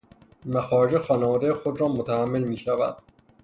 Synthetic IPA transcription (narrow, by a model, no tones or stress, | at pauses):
mæxɒːɾed͡ʒexɒːnevɒːd̪ejexod̪ɾɒːmot̪ʰæhæmːe̞lmiːʃævæ̰d̪̥